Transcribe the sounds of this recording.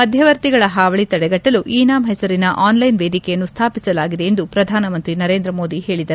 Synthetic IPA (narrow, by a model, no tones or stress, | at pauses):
mɐd̪ʱjɐʋɐɾt̪iɡɐɭɐɦaːʋɐɭit̪ɐɽɛɡɐʈːɐluʔiːnaːmɦɛsɐɾinɐʔaːnlɐjnʋe̞ːd̪ikɛjɐnːust̪ʰaːpisɐlaːɡid̪eend̪upɾɐd̪ʱaːnɐmɐnt̪ɾinɐɾe̞ːnd̪ɾɐmo̞ːd̪ihe̞ːɭid̪ɐɾu